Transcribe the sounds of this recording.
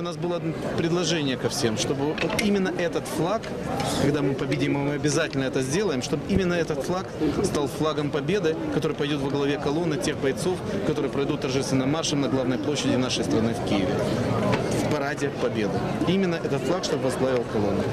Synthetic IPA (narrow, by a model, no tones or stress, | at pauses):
ʊnasbɨlˠəpɾʲɪd̪lˠɐʐɛnʲɪjəkɐfsʲe̞mʂt̪o̞bɨot̪imʲɪnːəʔɛt̪ət̪flˠak | kɐɡd̪amɨpɐbʲɪdʲimɨmɨɐbʲɪzatʲɪlʲnəɛt̪əzʲdʲe̞lˠəjɪmʂt̪o̞bɨimʲɪnːəɛt̪ət̪flˠakst̪alˠflˠaɡəmpɐbʲe̞d̪ɨkɐt̪o̞ɾɨjpɐjdʲot̪vɐɡlˠɐvʲe̞kɐlˠo̞nːɨtʲe̞xbɐjt̪so̞fkɐt̪o̞ɾɨjəpɾɐjd̪ut̪̚t̪ːɐrʐɛst̪vʲɪnəmːarʂəmnɐɡlˠavnəjplˠoɕːɪdʲɪnaʂəjst̪ɾɐnɨfkʲijɪvʲɪ̰ | fpɐɾadʲɪpɐbʲe̞d̪ɨ | imʲɪnːəʔɛt̪ət̪flˠakʂt̪o̞bəvɐzɡlˠavʲɪlˠkɐlˠo̞̰nːʊ